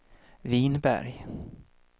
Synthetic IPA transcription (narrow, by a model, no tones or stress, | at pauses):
viːnbæ̰ɾj